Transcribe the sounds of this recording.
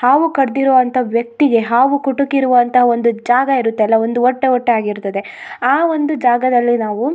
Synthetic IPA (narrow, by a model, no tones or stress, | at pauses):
haːʋukɐɾd̪iɾuʋɐnt̪ʰɐʋjɐk̚t̪iɡe̞ɦaːʋukuʈukiɾuʋɐnt̪ʰɐɦɐond̪ud͡ʒaːɡɐiɾut̪ːeɐlːɐo̞nd̪uɔʈːeɔʈːeaːɡiɾut̪ːɐd̪e̞ | aːʋo̞nd̪ud͡ʒaːɡɐd̪ɐlːinaːʋu